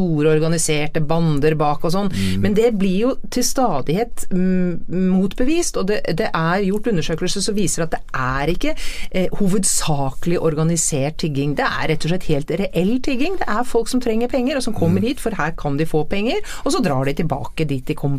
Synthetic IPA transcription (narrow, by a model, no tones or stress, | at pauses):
t̪uːɾəɔɾɡɑnɪseːʈəbɑnd̪əɾbɑːkɔs̬ɔnːmɛnd̪ɛblɪɾjʊt̪ʰɪlst̪ɑːd̪ɪheːt̪ | muːt̪bəʋiːst̪ɔd̪ɛd̪ɛʔæɾjʊʈːʉnːəʂøːkəlsəsɔʋiːsəɖɛɑt̪̚d̪ɛʔæɾɪkːəhuːʋəd̪sɑːkəlɪʔɔɾɡɑnɪseːʈ̚t̪ʰɪɡɪŋd̪ɛæ̰ɾɾɛt̪ːɔʂ̬ɭɛt̪ːheːlt̪ɾɛʔɛlːt̪ʰɪɡːɪŋd̪ɛʔæɾfɔlksɔmt̪ʰɾɛŋːəɾpʰɛŋːəɾɔsɔmkʰɔmːəɾhiːt̪fɔɾhæːɾkʰɑnd̪ɪfoːpʰɛŋːəɾ | ɔsɔd̪ɾɑ̰ːɖɪt̪ʰɪlbɑ̰ːkəd̪iːt̪̚ːɪkʰɔm